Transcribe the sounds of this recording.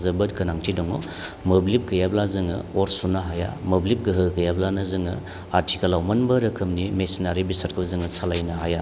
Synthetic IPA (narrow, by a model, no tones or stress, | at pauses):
zɐbɯt̚kɐnaŋtʰidɔŋo | moblip̚ɡɐjablazɯŋɯ̰oɾsunaɦaja̰moblip̚ɡɯɦɯɡɐjablanazɯŋɯ̰ | aɾtʰikɐlawmɐnbɐɾɐkʰɯmnimesinaɾibisat̚kʰɯbzɯŋɯsalajnaɦaja